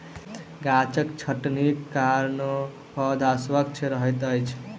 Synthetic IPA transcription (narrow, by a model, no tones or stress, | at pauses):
ɡãt͡ʃəkt͡ʃʰəʈnikːaɾn | pɔd̪aswəkt͡ʃʰɾəɦəjt̪əjt͡ʃʰ